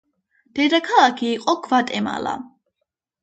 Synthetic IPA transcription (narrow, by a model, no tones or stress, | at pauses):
d̪̥ɛd̪akʰalakʰiːqʼɔkʰvat̪ʼɛma̰la̰